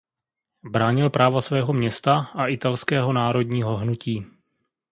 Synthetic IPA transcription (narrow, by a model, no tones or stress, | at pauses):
bɾaːɲɪlpɾʔaːvasvɛːɦo̞mɲɛst̪aʔaʔɪt̪alskɛːɦo̞naːɾo̞dɲiːɦo̞ɦnuciː